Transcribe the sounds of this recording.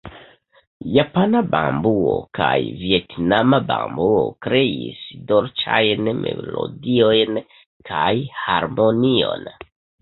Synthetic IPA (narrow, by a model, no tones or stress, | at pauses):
japanabambuokajvietnamabambuokɾe̞isdoɾt͡ʃajnmelodio̞jn | kʰajhaɾmo̞nio̞n